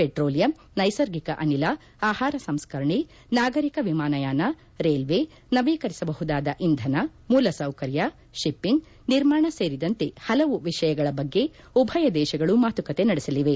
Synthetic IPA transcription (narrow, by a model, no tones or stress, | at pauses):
peʈɾoːlijɐm | nɐjsɐɾɡikɐʔɐnilɐ | aːhaːɾɐsɐmskɐɾɳi | naːɡɐɾikɐʋimaːnɐjaːnɐ | ɾeːlʋe | nɐʋiːkɐɾisɐbɐɦud̪aːd̪ɐʔind̪ʱɐnɐmuːlɐsɐwkɐɾjɐ | ʃipːiŋɡ | niɾmaːɳɐseːɾid̪ɐnt̪e̞hɐlɐʋuʋiʂɐjɐɡɐɭɐbɐɡːe̞ | ubʱɐjɐd̪ɛːʃɐɡɐɭumaːt̪ukɐt̪e̞nɐɽisɐliʋe